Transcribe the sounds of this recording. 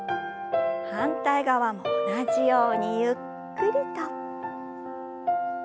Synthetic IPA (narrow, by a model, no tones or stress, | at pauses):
hãnt̪aiɡaβamoːnaʑijo̞ːɲ̟ijɯ | kɯ̟ɾɯ̟t̪o